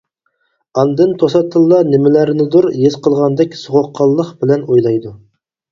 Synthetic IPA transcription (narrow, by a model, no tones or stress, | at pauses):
ɑnd̪ɨnt̪ʰosɑt̪ʰːɨlˠːɑnɪmɪlæɾnɪd̪uɾjezqʰəlˠʁɑnd̪ɛkʲsoʁoqʰːɑlˠːəχbɪlɛnojlˠɑjd̪u